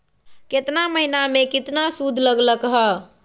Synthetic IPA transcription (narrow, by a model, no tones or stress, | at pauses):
ket̪naməɦinamekit̪nasud̪ʱləɡləkɦə